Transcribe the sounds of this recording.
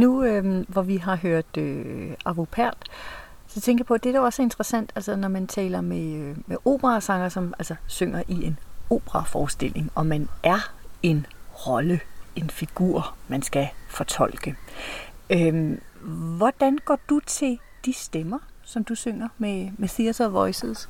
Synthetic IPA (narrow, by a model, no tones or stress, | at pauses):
nuøʋɒʋiɦɑ̈ɦøɐ̰d̥øɑ̈ʋopʰæɐ̰d̥ | sɒ̽t͡sʰeŋɡɐjɑpʰɒ̽d̥eɐd̥æɒ̽se̝nd̥ʁɐsæn̰d̥ælsɐnɒmænt͡sʰɛ̰ːlɐmeømeʔo̝̰ːb̥əʁɑ̈sɑ̈ŋɐsɒ̽mʔælsɒsøŋ̰ɐʔie̝no̝̰ːb̥ʁɑ̈fɒːsd̥e̝l̰e̝ŋɒ̽mænʔæɐe̝nʁɒ̽ləe̝nfiɡ̥ṵɐ̰mænsɡ̥æfɒ̽t͡sʰɒ̽l̰ɡ̥ə | ø | ʋɒd̥ænɡ̥ɒ̰ːd̥ut͡sʰe̝l | d̥isd̥emɐsɒ̽md̥usøŋ̰ɐmemeθiæsɒʋɒ̽ɪsð̩ˠs